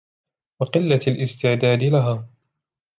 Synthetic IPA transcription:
wɑqɨlːaalʔɪst̪ɪʕd̪aːd̪ɪlaɦaː

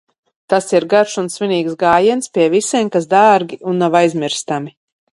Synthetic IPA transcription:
t̪asiɾɡaɾʃunsviniːksɡaːjɛnspʲiɛvisimkas̬d̪aːɾɡʲiunːawajzmʲiɾst̪ami

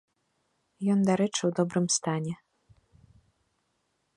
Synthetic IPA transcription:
jɔnd̪aɾɛt͡ʂɨwd̪ɔbɾɨmst̪anʲɛ

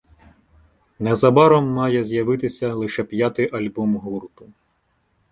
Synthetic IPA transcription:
nɛzɐbɑɾɔmːɑjɛzʲjɐʋɪt̪ɪsʲɐlˠɪʃɛpʲjat̪ɪjʔɐlʲbɔmɦurt̪ʊ

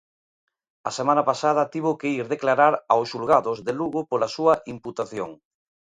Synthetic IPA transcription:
ɐ̰semãnapasað̞ɐt̪iβ̞okeiɾðeklaɾaɾawsʃulɣaðʊzðeluɣʊpolasuɐʔimput̪aθjo̰ŋ

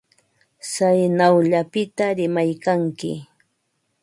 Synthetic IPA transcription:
sajnawʎapɪt̪aɾɪmajkaŋkɪ̰

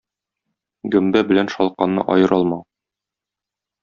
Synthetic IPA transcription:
ɡɵ̆mbæbɘ̆lænʃɒlˠqɑnːɤ̰ʔɒjɤ̆ɾʔɒlˠmɑ

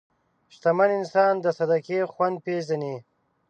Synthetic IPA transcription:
ʃt̪amanɪnsɑːnd̪əsad̪akeːxwand̪̚pezane

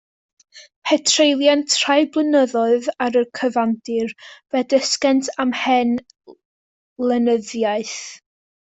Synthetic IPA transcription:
pʰɛtʰrejlˠjantʰr̥ajblˠənəðɔɨðaɾəkʰəvandɪrvɛdəskɛntʰamhɛn | lˠənəðjaɨθ

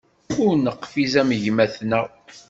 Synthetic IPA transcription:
ʊɾnəqːfizæməʝmæθnæ

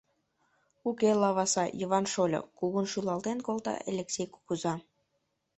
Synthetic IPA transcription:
ukelɑβɑsɑjəβɑnʃolʲo̰kuɣunʃylɑlt̪enkolˠt̪ɑ̰ʔḛlʲeksʲejku̥kuzɑ

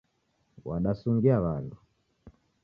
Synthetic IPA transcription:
waɗasuŋɡiaβandu

